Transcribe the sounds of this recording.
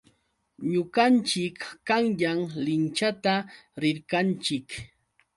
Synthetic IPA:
ɲʊɢant͡ʃɪkːaŋjaŋlɪnt͡ʃat̪aɾɪɾkant͡ʃɪk

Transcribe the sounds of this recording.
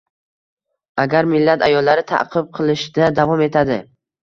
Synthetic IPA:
aɡʲaɾmɪlːat̪ʰajɒlːaɾɪt̪ʰa̰qʰɨb̚qʰɨlˠɪʃd̪ad̪avɒme̞t̪ʰad̪ɪ

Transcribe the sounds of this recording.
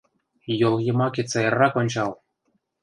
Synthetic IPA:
jolˠjɤ̆mɑkʲet͡sɑjɤrːɑkonʲt͡ɕɑlˠ

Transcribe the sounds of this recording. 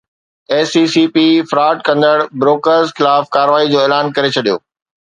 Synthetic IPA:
eːsiːsiːpifɾaːʈ̚kɐ̃nd̪əɽbɾoːkəɾzxɪlaːfkaːɾʋaːid͡ʑoːeːlaːnkɐɾet͡ɕʰɐɗijo̰ː

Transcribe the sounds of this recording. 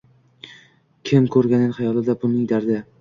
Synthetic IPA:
kʲʰɪmkʰɵɾɡʲanɪnχɑjɒlˠɪd̪abʊnɪd̪aɾd̪ɪ

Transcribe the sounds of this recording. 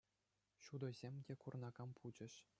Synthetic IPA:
ɕud̪ɤ̆zʲemʲdʲekurnɑɡɑmpʰud͡ʑɘ̆ɕ

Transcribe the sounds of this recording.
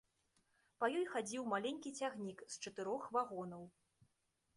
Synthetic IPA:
pɐjɔjxad͡zʲiwmalʲenʲkʲit͡sʲaɣnʲikst͡ʂɐt̪ɨɾɔxvaɣɔnɐw

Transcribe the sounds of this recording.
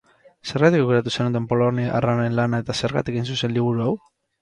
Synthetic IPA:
se̞ɾɣat̪ikoɣeɾat̪̬usenut̪e̞mpo̞loniʔa̰ranenlanae̞t̪aseɾɣa̰t̪ikejns̬use̞nliβ̞uɾuaw

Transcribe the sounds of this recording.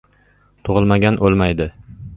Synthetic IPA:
t̪ʰʊʁɨlˠmaɡʲanʔolˠmajd̪ɪ

